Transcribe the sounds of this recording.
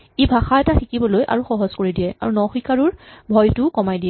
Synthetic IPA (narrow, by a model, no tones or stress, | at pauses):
ebʱaxaɛtaxikibɔlojʔa̰ɹuxɔɦɔzkoɹidijɛa̰ɹunɔxikaɹʊɹbʱɔjtʊkɔmajdiɛ